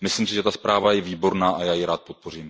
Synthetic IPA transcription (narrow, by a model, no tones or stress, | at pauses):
mɪslimsɪʒɛt̪aspɾaːvajɛviːbo̞ɾnaːʔajaːjɪɾaːt̪̚po̞t̪̚po̞riːm